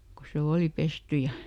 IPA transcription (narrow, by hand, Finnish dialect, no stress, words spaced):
ko se oːli pesty jɑ